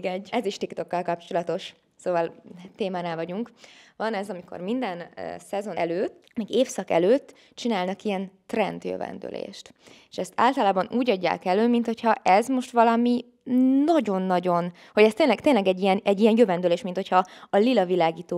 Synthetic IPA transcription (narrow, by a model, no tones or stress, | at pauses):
ɡɛɟːɛziʃt̪ikt̪o̞kːɒlkɒpt͡ʃo̞lɒt̪o̞ʃ | soːvɒlt̪eːmaːnɛlvɒɟuŋkvɒnɛzɒmiko̰rmind̪ɛnsɛzo̞nɛløːt̪ː | mɛɡeːfsɒkɛ̰løːt̪ː | t͡ʃinaːlnɒkijɛnt̪rɛnd̪jø̰vɛ̰nd̪ø̰lḛːʃt̪ | eːʃɛst̪a̰ːlt̪ɒlaːbɒnuːɟɒɟːa̰ːkɛløːmint̪ho̞cʰhɒʔɛzmo̞ʃt̪ʋɒlɒmi | nɒɟo̞nːɒɟo̞n | ho̞ɟɛst̪eːnlɛk̚t̪eːnlɛɡɛɟːijɛnɛɟːijɛnjøvɛnd̪øleːʃmint̪ho̞cʰhɒɒlilɒvilaːɡiːt̪oː